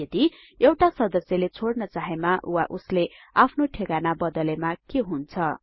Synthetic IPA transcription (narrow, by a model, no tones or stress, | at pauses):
ʌd̪i | ewʈasʌd̪ʌsjʌlet͡sʰoɽnʌt͡saɦemaʔuwaʔusleapʰnoʈʰekanabʌd̪ʌlemakeɦunt͡sʰʌ